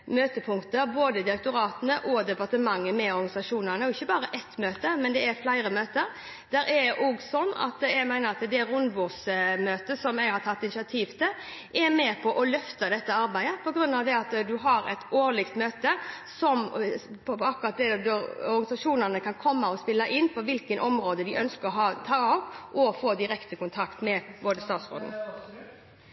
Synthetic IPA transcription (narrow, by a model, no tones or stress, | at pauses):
møːt̪əpʰʊŋkt̪əɾboːd̪əd̪ɪɾək̚t̪ʊɾɑːt̪ənəʔɔd̪ɛpɑɾt̪əmɑŋːəmɛɔɾɡɑnɪsɑʂuːnənəɔɪçːəbɑːɾəʔɛt̪møːt̪əmɛnd̪ɛæɾflæɪɾəmøːt̪əɾ | d̪̥æːɾɛɾd̪ɛʔoɡsɔnːɑ̰t̪jæɡmæɪnəɾɑt̪d̪ɛɾʊnʋʊsmøːt̪əsɔmɛɪhɑɾt̪ʰɑt̪ːɪnɪsɪɑt̪ʰiːʋt̪ʰɪl | ʔɛɾmeːpʰɔʔɔlœft̪əd̪ɛt̪ːəɑɾbæɪəpʰɔɡɾʉnːɑʋd̪ɛɑt̪d̪ʉɦɑɾɛ̰t̪oːɾɭɪkt̪møːt̪əsɔmpʰɔɑkːʊɾʁɑt̪̚d̪ɛd̪ɔɔɾɡɑnɪsɑʂuːnənəkʰɑnkʰɔmːɑɔspɪlːɑʔɪnːpʰɔʋɪlkənʔɔmɾoːd̪əd̪ɪʔœnskəɦɑːt̪ʰɑːɑʋʔɔfoːd̪ɪɾɛkt̪əkʊnt̪ʰɑkt̪mɛboːd̪əst̪ɑːt̪sʁo̰ːd̪n